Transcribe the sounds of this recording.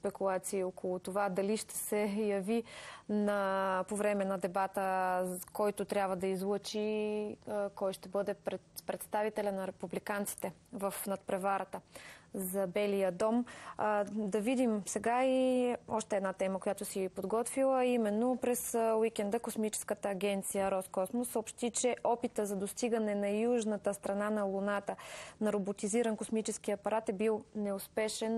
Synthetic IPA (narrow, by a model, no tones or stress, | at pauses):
spɛkulˠat̪siːokolˠʊt̪ovad̪ɐliʃt̪ɛ̥sɛjɐvinɐpovɾɛmɛnɐd̪ɛbat̪əkɔjt̪ot̪ɾʲabvɐd̪ɐizlˠɤt͡ʃi | kɔjʃt̪ɛbɤd̪ɛpɾɛt̪pɾɛt̪st̪avit̪ɛlʲənɐɾɛpublikant̪si̥t̪ɛvəfnɐt̪̚pɾɛvaɾət̪əzɐbɛlijəd̪ɔm | d̪ɐvid̪imsɛɡaiɔʃt̪ɛːd̪nat̪ɛməkojat̪ʊsiɛpod̪ɡɔt̪vilˠəimɛnːopɾɛswikɛnd̪əkosmit͡ʃɛ̥skət̪əːɡʲɛnt̪sijəɾɔskɔsmosːəopʃt̪it͡ʃɛʔɔpit̪əzɐd̪ost̪iɡənɛnɐjuʒnət̪əst̪ɾɐnanɐlˠʊnat̪ənɐɾobot̪iziɾənkosmit͡ʃɛskiɐpɐɾat̪ɛbilˠnɛʊspɛʃɛn